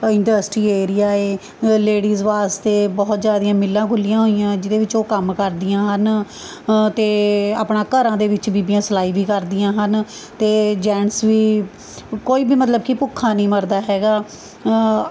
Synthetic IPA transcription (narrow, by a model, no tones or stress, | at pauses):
ɪɳɖəːsʈɾiːeːɾijaːeː | leːɽiːzʋaːst̪eːbɔːt̪zjaːd̪ijãːmɪlːãːkʊlːɪjãːɦoːijãːd͡ʒɪd̪eːʋɪt͡ʃoːkəmkəɾd̪ɪjãːɦən | t̪eːa̰ːpɳãːkəɾãːd̪eːʋɪt͡ʃbiːbijãːslaːiːʋiːkəɾd̪ijãːɦən | t̪eːd͡ʒɛːɳsʋiː | koːiːbiːmət̪̬ləb̚kipʊkʰːãːnĩːməɾd̪aːɦɛːɡaː